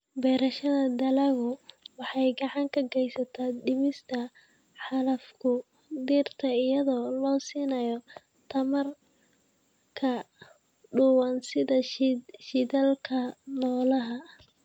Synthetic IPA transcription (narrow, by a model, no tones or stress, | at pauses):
bɛːɾɐʃɐðɐd̪ɐlɐɣʊwɑħɑjɡɑʕɑŋkʰɐɡɛjsɐt̪ʰadɪmɪst̪ʰɐ | ħɑlɐfkʰʊ | d̪iːrt̪ʰɐɪjɐðɔːlɔːsiːnɐjɔ | t̪ʰɐmɐr | kʰɐ | ɖʊwɐnsɪðɐʃɪðɐlkʰɐnɔːlɐɦɐ